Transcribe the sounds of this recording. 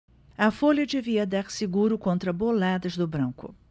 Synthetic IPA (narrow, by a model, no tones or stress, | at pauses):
ɐfolʲɐd̪eviɐd̪aɾsɪɡuɾʊkõnt̪ɾɐbolad̪ɐzd̪ʊbɾɐ̃ŋkʊ